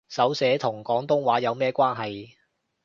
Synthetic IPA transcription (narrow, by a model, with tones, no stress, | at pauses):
sɐ˨˥wsɛː˨˥t̪ʰʊ˨˩ŋkɔː˨˥ŋt̪ʊ˥ŋwaː˨˥jɐ˨˧wmɛː˥kʷaː˥nɦɐ˨j